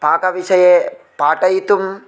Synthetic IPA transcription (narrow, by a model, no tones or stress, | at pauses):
paːkɐʋiʂɐje | paːʈɐjit̪um